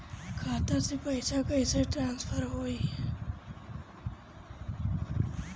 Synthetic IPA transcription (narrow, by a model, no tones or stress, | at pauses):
kʰaːt̪asipəjsakəjseʈɾaːnsfʰəɾɦoːi